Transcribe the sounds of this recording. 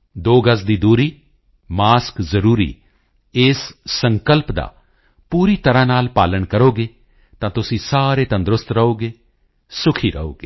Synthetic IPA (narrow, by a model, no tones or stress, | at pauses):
d̪oːɡəs̬d̪iːd̪uːɾiː | maːskzəɾuːɾḭː | ɪːsːəŋkəlpd̪a̰ː | puːɾiːt̪əɾãːnaːlpaːləɳkəɾoːɡeː | t̪ãːt̪ʊsĩːsaːɾeːt̪ə̃nd̪ɾʊst̪ɾəɦoːɡeː | sʊkʰiːɾə̰o̰ːɡeː